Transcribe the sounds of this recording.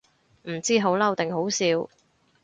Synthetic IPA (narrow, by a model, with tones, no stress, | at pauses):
m̩˨˩t͡siː˥ɦo˨˥wlɐ˥wt̪ɪ˨ŋɦo˨˥wsiː˨˧w